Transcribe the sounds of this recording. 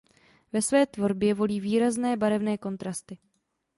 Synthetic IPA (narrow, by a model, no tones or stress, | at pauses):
vɛsvɛːt̪vo̞ɾbjɛvo̞liːviːɾaznɛːbaɾɛvnɛːko̞nt̪ɾast̪ɪ